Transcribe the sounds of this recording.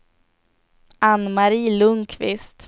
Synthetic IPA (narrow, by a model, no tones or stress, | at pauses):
anːmaɾiːlɵŋkʰvɪst̪